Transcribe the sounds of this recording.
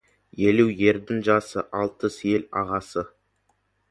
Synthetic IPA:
je̞luje̞ɾd̪ɪŋʒɑsə̰ʔɑlˠt̪əsje̞lɑʁɑsə

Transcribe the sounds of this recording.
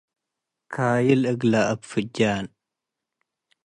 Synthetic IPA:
kʰaːjɪlɨɡlaʔɐbfɨd͡ʒaːn

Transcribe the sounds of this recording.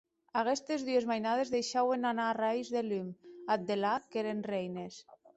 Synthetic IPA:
aɣest̪ezðyezmajnað̞ezðejʃawenanarajzðelymad̪elakeɾenrejnes

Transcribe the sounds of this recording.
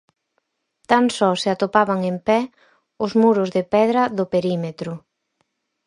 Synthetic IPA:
t̪ansɔseat̪opaβaŋempɛ | ʊzmuɾʊzðɪpɛð̞ɾɐðʊpeɾimet̪ɾʊ

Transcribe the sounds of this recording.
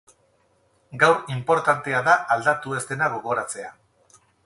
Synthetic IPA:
ɡawɾimpo̞ɾt̪ant̪e̞aðaʔald̪at̪ue̞zt̪e̞naɣ̞o̞ɣ̞o̞ɾat͡se̞a

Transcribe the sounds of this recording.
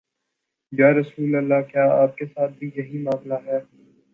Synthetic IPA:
jaːɾɐsuːlɐlːakjaːaːp̚kesaːt̪̚bʱijɐɦimaːmlaɦɛː

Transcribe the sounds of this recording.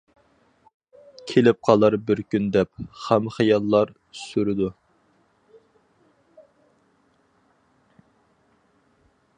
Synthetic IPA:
kʲʰelɪp̚qʰɑlˠɑɾbɪɾkʲynd̪ɛp̚χæmχijɑlˠːɑɾ | syɾɪd̪u

